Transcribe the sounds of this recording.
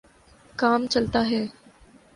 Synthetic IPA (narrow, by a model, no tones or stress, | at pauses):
kaːmt͡ʃɐlt̪aːɦɛː